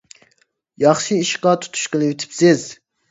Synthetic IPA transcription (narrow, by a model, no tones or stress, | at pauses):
jɑχʃiiʃqɑt̪ʰu̥t̪ʰu̥ʃqəlˠɪit̪ʰɪ̥psɪz̥